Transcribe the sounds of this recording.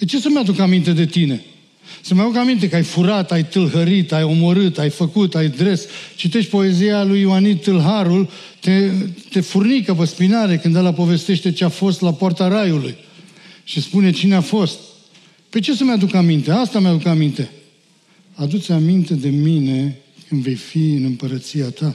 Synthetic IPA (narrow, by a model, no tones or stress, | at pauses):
pe̞t͡ʃe̞səmjad̪ukamint̪e̞d̪e̞t̪ine̞ | səmjad̪ukamint̪̬e̞kajfuɾat̪ajt̪ɨlɦəɾit̪ajo̞mo̞ɾɨt̪ajfəkut̪ajd̪ɾe̞st͡ʃit̪e̞ʃt̪ʲpo̞e̞zialujwanit̪ɨlɦaɾul | t̪et̪e̞furnikəpəspinaɾe̞kɨnd̪elapo̞ve̞st̪e̞ʃt̪e̞t͡ʃeafo̞st̪lapoart̪aɾajuluj | ʃispune̞t͡ʃineafo̞st̪̚ | pe̞t͡ʃe̞səmjad̪ukamint̪e̞ast̪amjad̪ukamint̪e̞ | ad̪ut̪sʲamint̪e̞d̪e̞mine̞ | kɨnd̪ve̞jfiɨnɨmpəɾət̪siat̪a